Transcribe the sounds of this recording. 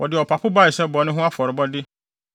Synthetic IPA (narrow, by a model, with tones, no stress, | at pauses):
wʔɔ˨dɪ˨ɔ˨pʰa˨pʰʊ˦ba˦˨ɪ˨sɛ˦bɔ˨˦nʊ̃˦ɦʊ̃˦a˦fɔ˨ɾɪ˨bɔ˦dɪ˦